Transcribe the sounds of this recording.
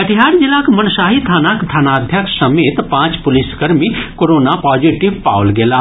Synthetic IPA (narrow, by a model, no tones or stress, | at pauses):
ɐʈʰɪɦaːɽd͡ʒɪlaːkmɐnsaːɦit̪ʰaːnakt̪ʰanaːd̪ʱjəksɐmeːt̪pãːt͡ʃpʊlɪskəɾmikoɾoːnapaːd͡ʒiʈɪʋpa̰ːwlɡelaː